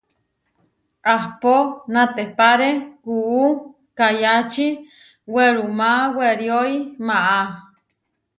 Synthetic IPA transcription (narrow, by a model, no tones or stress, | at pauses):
ahponat̪epaɾekuu | kajat͡ʃi | weɾumaweɾjoimaʔa